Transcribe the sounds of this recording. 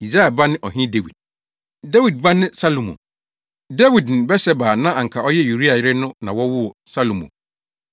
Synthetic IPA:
i˨sɾa˦ɛ˨ba˦nɪ̃˦ʔɔ˨ɦĩ˦de˦wḭ˨d̥̚ | da˦wi˨d̚ba˦nɪ̃˦sa˦lõ˨mɔ̰̃˨ | dɛ˦wi˨dñ̩˨bɛ˦sɛ˦baː˨nã˦ʔã˨ŋ̩˨kʰa˨ɔ˦jɛ˦ju˨ɾi˦a˨jɪ˦ɾɪ˦nʊ̃˦nã̰˨wɔ˦wʊ˦ɔ˨sa˦lo˨mõ̰˨

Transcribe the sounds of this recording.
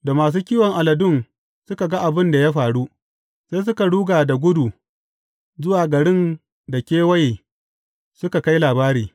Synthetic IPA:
da˨maː˨s̬uː˦kʲiː˦wɔ˨ŋʔa˨lɐ˨dʊ˦˨ŋ | sʊ˦ka˨ɡa˦ʔa˨bɪ˦nda˨ja˦ɸaː˨ɽu˦ | sa˦js̬ʊ˦ka˨ɽuː˦ɡaː˨da˨ɡʷʊ˦du˨ | zʊ˦waː˨ɡɐ˨ɽɪ˦n | da˨kʲeː˦wɐ˦j | sʊ˦ka˨ka˦jlaː˨baː˦ɾiː˨

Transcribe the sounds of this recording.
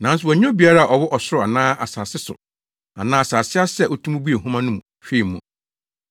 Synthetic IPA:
nã˨n˦s̬ʊ˨wɔ˨ɲ̃˦bi˨a˦ɾa˦a˨ʔɔ˨wɔ˦ʔɔ˨sʊ˦ɾʊ˨a˨nãː˦ʔa˨saː˨sɪ˦sʊ̰˨ | a̰˨nãː˦a˨saː˨sɪ˦a˦sɛ˦˨ʔɔ˦tʰũ˦m˦bu˦e˨ɦũ˦mã˦nʊ̃˦mũ˨ | fe˦i˨mʊ̃˨

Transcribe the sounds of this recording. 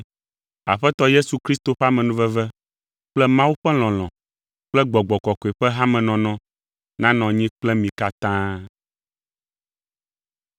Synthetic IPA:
a̰˨ɸɛ˦t̪ɔ˦je˦su˨kɾi˦st̪o˨ɸa˦mɛ̃˨nũ˦vɛ˦vɛ˦ | k͡plɛ˦mã˦wu˦ɸɛ˦l̃ɔ̃˨l̃ɔ̰̃˨ | k͡plɛ˦ɡ͡bɔ˨ɡ͡bɔ˨kɔ˨ko˨e˨ɸɛ˦ɦã˦mɛ̃˨nɔ̃˨nɔ̃˦ | nã˦nɔ̃˨ɲĩ˦k͡plɛ˦mĩ˨ka˦t̪ã˦

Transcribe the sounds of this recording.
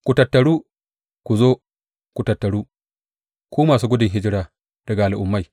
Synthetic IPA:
kʷu˨tɐ˨tːɐ˨ɽuː˦ | ku˨zoː˦ | kʷu˨tɐ˨tːɐ˨ɽuː˦ | kʷoː˦maː˨suː˦ɡʷʊ˦dɪ˨ŋɦɪ˦d͡ʒɪ˦ɽaː˨ | d̥ɐ˨ɡa˨ʔa˨lʔʊ˨mːa˦j

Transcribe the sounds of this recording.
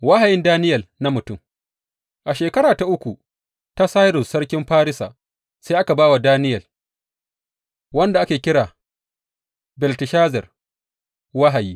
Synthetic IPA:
wa˦ha˨jɪ˦ndaː˦nɪ˦jɐ˨lna˦mʊ˨tʊ˦m | ʔa˨ʃeː˨kɐ˦ɽaː˨ta˨ʔʊ˦kʷu˨ | ta˦saː˦jɾʊ˨sːɐ˦ɽkʲɪ˦mɸaː˦ɾɪ˦sa̰ː˨ | se˦ʔa˦ka˨baː˦wa˨daː˦nɪ˦jɐ˨l | wɐ˦nda˨ʔa˦kʲeː˨kʲɪ˦ɽaː˨ | bɛ˨ltɪ˨ʃaː˦zɐ˨r | wa˦ɦa˨jiː˦

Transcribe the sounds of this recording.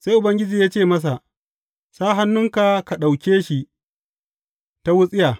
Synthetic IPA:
sa˦jʔʊ˨bɐ˦ŋɡʲɪ˦d͡ʒiː˨jaː˦t͡ʃeː˦˨mɐ˦s̬a˨ʔ | saː˦ɦa˦nːʊ˦ŋka˨ka˨ɗa˨wkʲeː˦ʃi˦ | ta˦wʊ˦sʼɪ˦jaː˨

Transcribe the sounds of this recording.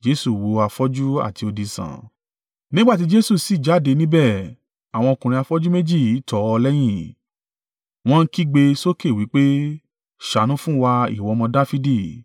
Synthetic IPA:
d͡ʒe˦su˦˨wo˧a˧fɔ˦d͡ʒu˦a̰˦˨ti˧o˧di˧sã̰˨ | nĩ˦ɡ͡ba˦t̬i˨˦d͡ʒe˦su˦˨si˨d͡ʒa˨˦˨de˧nĩ˦bɛ˦˨ | a˨w̃ɔ̃˧o˧kũ˨ɾĩ˧a˧fɔ˦d͡ʒu˦me˦d͡ʒi˦˨i˨˦tɔ˨˧˦ɔ˧lɛ˦j̃ĩ˦˨ | w̃ɔ̃˧n̩˦ki˦ɡ͡be˧so˦ke˦˨wi˨˦k͡pe˦ | ʃa˨˦nũ˨˦fũ˦wa˧ḭ˦˨wɔ˨˧mɔ̃˧da˦fi˦di˦˨

